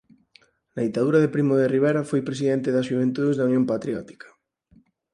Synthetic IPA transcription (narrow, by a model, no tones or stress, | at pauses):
nɐðit̪aðuɾɐðepɾimoðeriβ̞eɾafojpɾesiðɛnt̪eðɐsʃuβ̞ent̪uðezðaunjõmpat̪ɾjɔt̪i̥kḁ